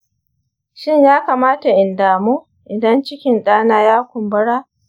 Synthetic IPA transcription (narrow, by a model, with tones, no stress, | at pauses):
ʃɪ˦ɲjaː˦kaː˨maː˦ta˨ʔɪ˨ndaː˨mu˦ | ʔɪ˨dɐ˦nt͡ʃɪ˦kʲɪ˨nɗaː˦naː˦jaː˦kʷʊ˨mbɐ˦ɽaː˦